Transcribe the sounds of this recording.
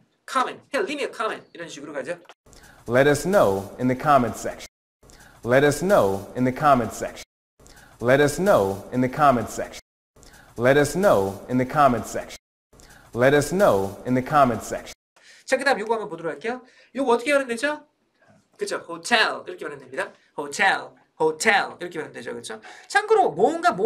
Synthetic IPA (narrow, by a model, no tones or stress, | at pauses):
kʰamɛ̃nthelːimiʌkʰamɛ̃ntiɾʌnɕʰiɡuɾokad͡ʑo | lɛɾʌsnoʊɨ̃nðɨkʰɑm̃nsɛ̰kʃn | lɛɾʌsnoʊɨ̃nðɨkʰɑmɨ̃nskʃ | lɛɾʌsnʊɨ̃nðɨkʰmɨ̃nsɛ̰kʃn | lɛɾʌsnoʊɨ̃nðɨkʰɑmɨ̃nsɛ̰kʃn | lɛɾʌsnoʊɨ̃nðɨkʰɑmɨ̃nsɛkʃn | t͡ɕʰakɯd̪aɯmjoɡoɦamjʌnpodoɾoɡaɭk͈ejo | joɡuʌt͈ʰʌkʰeaɾɦɯnded͡ʑo | kɯt͡ɕʰohotʰeliɾʌkʰejaɾɦendemɲida | hotʰɛl | hotʰeliɾʌkʰewaɾɦɯnded͡ʑo̰kɯt͡ɕʰot͡ɕʰaŋɡɯɾomʌnɡamo